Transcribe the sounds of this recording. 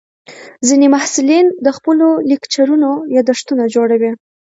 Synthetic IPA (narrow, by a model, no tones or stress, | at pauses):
zinemahsɪlind̪əxpəlolikt͡ʃaɾunojɑd̪aʂt̪unad͡ʒoɽawi